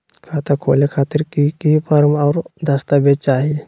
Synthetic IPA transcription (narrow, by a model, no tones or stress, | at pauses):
kʰat̪akʰo̰lekʰat̪iɾkikipəɾmawɾd̪əst̪abet͡ʃaɦi